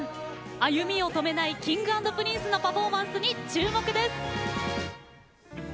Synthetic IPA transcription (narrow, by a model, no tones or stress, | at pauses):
ajɯ̟mʲio̞t̪o̞me̞naikʲĩŋɡɯãnd̪o̞pɯ̟ɾʲĩːsɨno̞paɸo̞ːmãɰ̃sɨɲ̟it͡ɕɨːmo̞kɯ̟d̪e̞sɨ̥